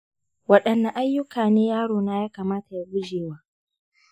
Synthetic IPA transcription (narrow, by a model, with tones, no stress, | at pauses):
wɐ˦˨ɗɐ˨nːa˨ʔa˦jːʊ˦kʰaː˨neː˦jaː˦ɽoː˨naː˦jaː˦kaː˨maː˦ta˨ja˦ɡʷʊ˦d͡ʒeː˨waː˦